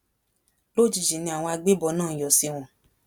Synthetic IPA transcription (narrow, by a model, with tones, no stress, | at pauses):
lo˦˨d͡ʒi˨ʃi˨nĩ˧a˨wɔ̃˧a˧ɡ͡be˦bɔ˧˦nãː˦˨jɔ˨si˧w̃ɔ̃˨